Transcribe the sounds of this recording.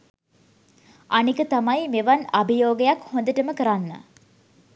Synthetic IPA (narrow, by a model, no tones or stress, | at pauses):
anikət̪amajmeʋanabijoːɡejakhõnd̪əʈəməkəɾanːə̰